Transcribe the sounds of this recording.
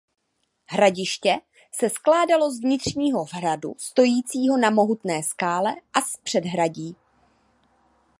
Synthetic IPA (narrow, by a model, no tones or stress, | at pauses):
ɦɾaɟɪʃcɛ | sɛsklaːdalo̞zvɲɪt̪r̝̥ɲiːɦo̞vradṵst̪o̞jiːt͡siːɦo̞namo̞ɦut̪nɛːskaːlɛʔaspr̥ɛdɦɾaɟiː